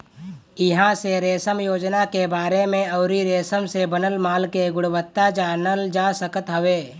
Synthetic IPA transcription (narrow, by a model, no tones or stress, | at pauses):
ɪɦãseɾeːsəmjoːd͡ʒnakebaːɾemẽɔʊɾiɾeːsəmsebənəlmaːlkeɡʊɽwət̪ːad͡ʒaːnəld͡ʒaːsəkət̪ɦəʋeː